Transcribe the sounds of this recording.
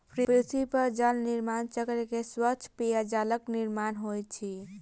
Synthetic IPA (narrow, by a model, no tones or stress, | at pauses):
pʰɾipɾisipəɾd͡ʒəlniɾmant͡ʃəkɾkeswət͡ʃʰpijad͡ʒaləkniɾmanɦojt̪̚t͡ʃʰi